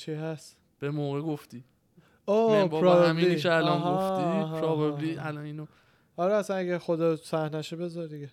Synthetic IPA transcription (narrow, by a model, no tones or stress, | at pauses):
t͡ʃʰiɦæst̪ | b̥emoːɣeɡoft̪i | obɾɒveæmiieælɒnoft̪ipʰɾɒvebliælɒniːno | ɒɾɛæsænæɡæxod̪ɒːsæhnæʃebe̞zɒɾd̪iɡe